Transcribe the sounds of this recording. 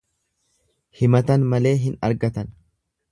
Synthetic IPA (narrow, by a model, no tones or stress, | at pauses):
hɪmɐt̪ɐnmɐle̞ːɦɪnɐ̰ɾɡɐt̪ɐn